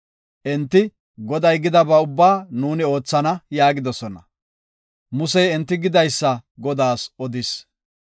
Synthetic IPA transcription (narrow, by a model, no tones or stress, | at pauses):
ʔɛnt̪ːɪ | ɡɔd̪ɐjɡɪd̪ɐbɐʊbːaːnuːnɪo̞ːt͡sːɐnɐjaːɡɪd̪ɔsɔnɐ̰ | mʊsɛjɛnt̪ːɪɡɪd̪ɐjsːɐɡɔd̪aːsɔd̪ɪs